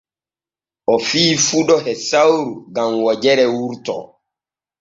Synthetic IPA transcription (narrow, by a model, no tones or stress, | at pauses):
ʔɔfiːfuɗɔhɛsawɾuɡamwɔd͡ʒɛɾɛwuɾtɔ̰